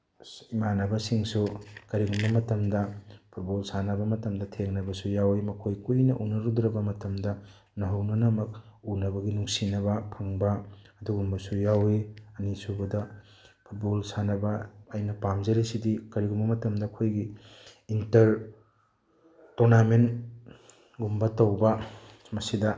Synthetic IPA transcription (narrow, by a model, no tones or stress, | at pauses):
imanɐbɐsiŋsukɐɾiɡumbɐmɐtɐmdɐpʰut̚bolsanɐbɐmɐtɐmdɐtʰeŋnɐbɐsujawemɐkʰojkujnɐʔunɐɾudɾɐbɐmɐtɐmdɐ | nɐɦɐwnɐnɐmɐk̚unɐbɐɡinuŋsinɐβɐpʰɐŋbɐː | duɡumbɐsujawiɐnisubɐdɐ | pʰut̚bolsanɐbɐɐjnɐpamzɐɾisidikɐɾiɡumbɐmɐtɐmdɐːkʰojɡiː | ntɐɾ | toɾnamen | ɡumbɐtɐwbɐ | mɐsidɐ